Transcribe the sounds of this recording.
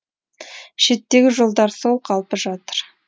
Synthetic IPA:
ʃe̞t̪ːe̞ɡʲɪʒo̞lˠd̪ɑɾso̞lˠqʰɑlˠpəʒɑt̪əɾ

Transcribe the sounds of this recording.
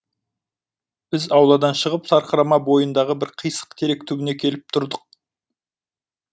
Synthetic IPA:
b̥ɪzɑwlˠɑd̪ɑnʃəʁəpt̪ʰɑɾqəɾɑmɑbo̞jənd̪ɑʁəbɪɾqʰijsə̥qt̪ʰe̞ɾe̞k̚t̪ʰɵbɪne̞kʲʰe̞lɪp̚t̪ʰʊɾd̪əq̚

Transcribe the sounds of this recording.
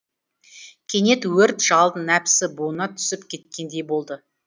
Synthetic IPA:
kʲʰe̞ne̞t̪wɵɾt̪ʒ̥ɑlˠd̪ənæpsɪbuənɑt̪ʰʏ̥sɪpkʲʰe̞t̪kʲe̞nd̪e̞jbo̞lˠd̪ə

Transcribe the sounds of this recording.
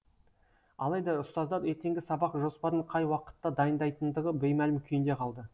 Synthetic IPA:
ɑ̰lˠɑjd̪ɑɾʊst̪ɑzd̪ɑɾet̪e̞ŋɡʲɪsɑbɑqʒo̞spɑɾəɴqʰɑjwɑqə̥t̪ːɑd̪ɑjənd̪ɑjt̪ənd̪əʁəbejmælɪmkʲʰʏjɪnd̪e̞qʰɑlˠd̪ə

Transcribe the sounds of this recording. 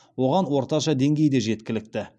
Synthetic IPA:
wo̞ʁɑnwo̞ɾt̪ɑʃɑd̪e̞ŋɡʲe̞jd̪e̞ʒe̞t̪kʲɪlɪk̚t̪ɪ

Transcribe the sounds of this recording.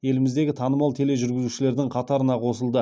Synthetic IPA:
je̞lɪmɪzd̪e̞ɡʲɪt̪ʰɑnəmɑlˠt̪ʰe̞le̞ʒʏɾɡʲɪzuʃɪle̞ɾd̪ɪŋqʰɑt̪ɑɾənɑqʰo̞səlˠd̪ə

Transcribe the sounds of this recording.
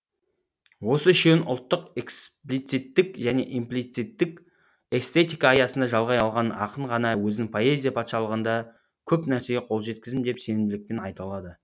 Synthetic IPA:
wo̞səɪʃenʔʊ̰lˠt̪ːəqeksplijt̪sit̪ːɪkʒæne̞ʔimplijt̪sit̪ːɪk | e̞st̪e̞t̪ʲijkɑaːjɑsənd̪ɑʒɑlˠʁɑjɑlˠʁɑnɑ̰qəɴʁɑnɑwɵznɪŋpʰo̞e̞zʲijapʰat̪ʃɑlˠəʁənd̪ɑ | kʲʰɵpnæɾse̞ɡʲeqʰo̞lˠʒe̞t̪̚kʲɪzd̪ɪmd̪e̞pse̞nɪmd̪ɪlɪk̚pe̞nɑjt̪ɑlˠɑd̪ə

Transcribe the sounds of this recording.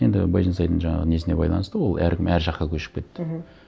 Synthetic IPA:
je̞nd̪ɪ̰bɑ̰jʒinsɑjd̪əɴʒɑɴɑ̰ʁəne̞sɪne̞bɑ̰jlˠɑ̰nəst̪əwo̞lˠæ̰ɾkʲɪmæɾʒɑqːɑkʲʰɵʃɪ̥p̚kʲe̞t̪ːɪ

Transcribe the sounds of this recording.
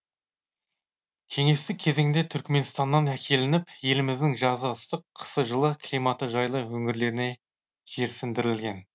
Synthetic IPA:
kʲʰe̞ŋe̞st̪ɪkʲʰːe̞ze̞ŋɪnd̪e̞t̪ʰʏɾkme̞nst̪ɑnːɑnækʲʰe̞lɪnɪpje̞lɪmɪzd̪ɪŋʒɑzəəst̪əqʰːə̥səʒəlˠəkʲʰlʲijmɑt̪əʒɑjlˠəwɵŋɪɾle̞ɾɪne̞ | ʒ̥e̞ɾsɪnd̪ɪɾɪlɡʲe̞n

